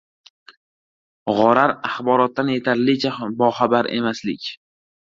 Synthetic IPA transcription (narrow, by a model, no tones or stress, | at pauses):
ʁɒɾaɾaχbɒɾɒt̪ːanje̞t̪ʰaɾlɪt͡ʃʰabɒχabaɾe̞̰maslɪkʲ